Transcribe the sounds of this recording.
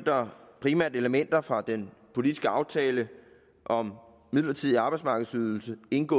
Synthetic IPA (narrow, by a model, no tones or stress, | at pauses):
d̥ɐpʰʁimæɐ̰dəe̝ləmen̰d̥ɐfʁɑ̈d̥enpʰo̝lid̥isɡ̥əɑ̈ʊt͡sʰɛːlə | ʔɒ̽m | miðˠlɐt͡sʰið̰ˠiɑ̈ːb̥ɑ̈ɪ̥smɑ̈ːɡ̥ð̩ˠsyːð̞ˠl̩səe̝nɡ̥ɔ̰̽ː